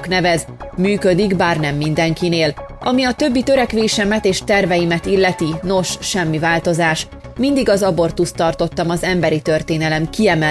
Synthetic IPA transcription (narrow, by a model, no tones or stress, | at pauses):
knɛvɛz | myːkø̞d̪iɡbaːrnɛmːind̪ɛŋkineːlɒmiɒt̪ø̞bːit̪ø̞ɾɛkʋeːʃɛmɛt̪eːʃt̪ɛrvɛjimɛt̪ilːɛt̪ino̞ʃʃɛmːivaːlt̪o̞zaːʃ | mind̪iɡɒzɒbo̞rt̪ust̪ːɒrt̪o̞t̪ːɒmɒzɛmbɛɾit̪ø̞rt̪eːnɛlɛmkiɛmɛ